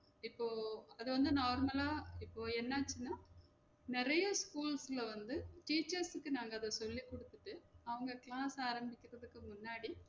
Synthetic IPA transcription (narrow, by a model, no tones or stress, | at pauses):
ɪpːoːɐðɯʋɐnd̪ɯnaːɾmɐlaːɪpːoːɛnːaːt͡ʃːɯnːaː | nɪɾɐjɐskuːlsɪlɐʋɐnd̪ɯʈiːt͡ʃɐɾsɯkːɯnaːŋɡɐːðɐsɔlːikːɔɽɯt̪ːɯʈːɯɐʋɐŋɡɐkɪlaːsaːɾɐmbɪkʲːɪɾɐðɯkːɯmʊnːaːɽi